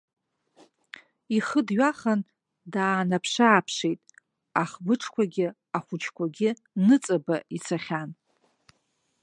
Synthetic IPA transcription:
iχədɥaχan | daːnapʰʂaːpʰʂejtʼ | aχbɨʈ͡ʂʰkʷʰaɡʲɪ | aχʷʊt͡ʃʰkʷʰaɡʲɪ | nɨt͡sʼabait͡sʰaχʲan

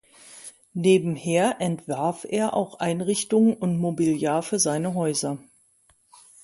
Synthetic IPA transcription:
neːbm̩heːɐʔɛntv̥aɐfʔeːɐʔa̰ʊxʔaɪnʁɪçtʊŋʊntmobiljaːɐfːɐzaɪnəɦɔʏzɐ

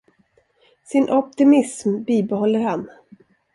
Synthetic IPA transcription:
sɪnʔɔp̚t̪ɪmɪsmbiːbɛɦɔlːəɾhan

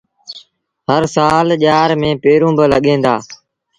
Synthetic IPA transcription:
ɦəɾsaːlʄaːɾmẽːpeːɾũːbələɠẽːnd̪aː

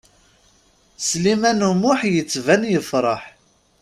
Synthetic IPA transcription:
slimænumʊħjət͡sːvænjəfɾˤɑħ

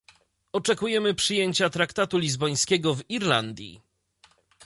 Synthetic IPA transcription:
ɔt͡ʂɛkujɛmɘpʂɘjeɲt͡ɕat̪ɾakt̪at̪ulʲizbɔj̃skʲɛɡɔviɾla̰nd̪ʲjḭ

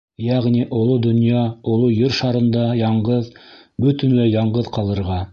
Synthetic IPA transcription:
jæʁniʔŏlˠod̪ŏnjɑŏlˠɤjɘɾʃɑɾɤ̆nd̪ɑjɑɴɢɤð | bɵt̪ɘ̆nlɘjɑɴɢɤðqɑlˠɤ̆ɾʁɑ

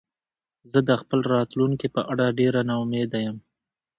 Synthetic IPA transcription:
zəd̪əxpəlɾɑt̪luŋkipəʔaɽaɖeɾanaʊmed̪ajəm

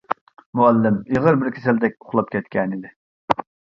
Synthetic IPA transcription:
muælːɪmeʁəɾbɪɾkʲʰe̥sæld̪ɛk̚ʲoχlˠɑp̚kʲʰɛt̪kʲɛnɪd̪ɪ

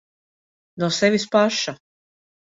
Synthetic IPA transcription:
nɔsɛvʲispaʃa

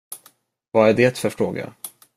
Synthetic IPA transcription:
vaæɖɛt̪fœɾfɾoːɡa̰

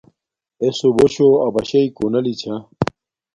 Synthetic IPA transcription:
esoboɕoɐbɐɕɐikonɐlit͡ɕʰɐ

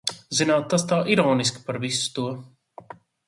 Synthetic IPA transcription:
zinaːt̪ːast̪aːʔiɾɔːniskʲi̥paɾvisu̥t̪uɔ

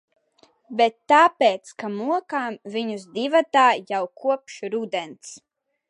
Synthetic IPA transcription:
bet̪ːaːpeːt̪skamuɔkaːmvʲiɲuzd̪ivat̪aːjawkʰuɔpʃɾud̪ɛnt̪s

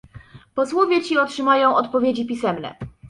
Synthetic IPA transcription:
pɔswɔvʲjɛt͡ɕiɔtʂɘmajɔ̃w̃ʔɔt̪pɔvʲjed͡ʑipʲisɛmnɛ̰

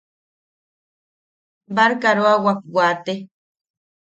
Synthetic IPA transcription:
baɾkaɾoawak̚wat̪e

